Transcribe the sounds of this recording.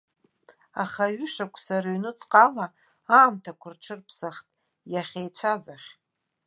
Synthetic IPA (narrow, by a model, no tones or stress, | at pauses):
aχaɥʏʂakʷʰʼsaɾaɥnɨt͡sʼqʼala | aːmtʰakʷʰʊrʈ͡ʂʰɨrpʰsaχtʼ | jaχʲejt͡ɕʷʰazaχʲ